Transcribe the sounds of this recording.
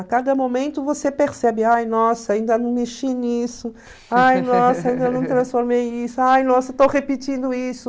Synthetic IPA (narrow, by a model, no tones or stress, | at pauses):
akad̪ɐmomẽnt̪ʊvosepeɾsɛbɪajnɔsɐaĩnd̪ɐnɐ̃w̃meʃinisʊ | ajnɔsɐaĩnd̪ɐnɐ̃w̃t̪ɾɐ̃sfoɾmejẽj̃isʊajnɔsɐt̪owhepit͡ʃĩnd̪ʊisʊ